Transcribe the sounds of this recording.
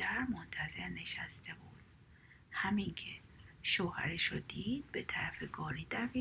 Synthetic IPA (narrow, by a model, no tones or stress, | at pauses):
æɾmont̪ʰæze̞ɾne̞ʃæst̪e̞buːd̪̥ | hæmiŋcʰe | ʃoːhæ̰ɾeʃod̪iːd̪̥̚bet̪ʰæɾæfeɡɒːɾiːd̪æfi